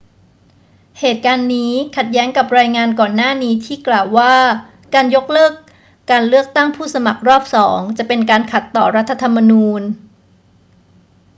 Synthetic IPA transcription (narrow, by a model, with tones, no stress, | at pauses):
heː˨˩t̪̚kaː˧nːiː˦˥kʰa˨˩t̪̚jɛː˦˥ŋka˨˩p̚ɾaː˧jŋaː˧nkɔː˨˩nːaː˥˩niː˦˥t̪ʰiː˥˩klaː˨˩wːaː˥˩ | kaː˧njo˦˥k̚lɤː˥˩kː | aː˧nlɯ˥˩ək̚t̪a˥˩ŋpʰuː˥˩sa˧ma˨˩k̚ɾɔː˥˩p̚sɔː˩˦ŋt͡ɕa˨˩ʔpe˧nkaː˧nkʰa˨˩t̪ːɔː˨˩ɾa˦˥t̪ʰːa˧t̪ʰa˧mːa˧nuː˧n